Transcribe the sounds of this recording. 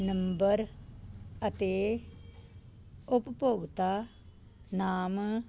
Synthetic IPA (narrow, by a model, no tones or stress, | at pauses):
nɐ̃mbəɾ | ɐt̪eː | ʊppoːɡt̪aː | naːm